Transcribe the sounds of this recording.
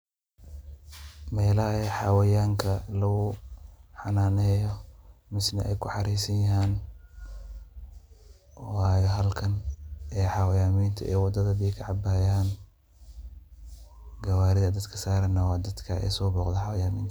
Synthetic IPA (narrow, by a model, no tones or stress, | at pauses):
mɛːlɐhɛħɑwɐjaːŋkʰɐlɐɣʊħɑnaːnɛːjɔmɪsnɐʔɛjkʰʊħɑɾiːsɐnjɐɦaːn | waːjɔɦɐlkʰɐnɛːħɑwɐjaːmiːnt̪ʰɐʔɛːwɑd̪ɐðɐbiːkʰɐʕɑbaːjaːn | ɡɐwaːɾɪðɐd̪ɐd̪kʰɐ̥saːɾɐnɐwɑːd̪ɐd̪kʰɐʔɛ̰sɔːbɔːqd̪ɐħɑwɐjaːmiːnt̪ʰɐ̥